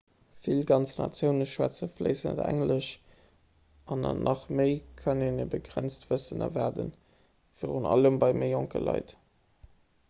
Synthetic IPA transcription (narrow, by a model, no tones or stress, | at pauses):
filɡɑnt͡snɑ̰t͡sjəʊnəʃwæt͡səfləɪsən̰dæ̰ŋləʃ | ɑnɑnʔɑχməɪkʰənenəbəɡʁænt͡stv̥əsənə̰væːdə̰n | fəʁunɑ̰ləmbɑɪməɪjoŋkə̰lɑ̰ɪt